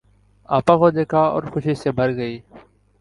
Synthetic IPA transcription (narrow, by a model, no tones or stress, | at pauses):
aːpãːkoːd̪eːkʰaːɔ̰ːɾxʊʃiseːbʱəɾɡəiː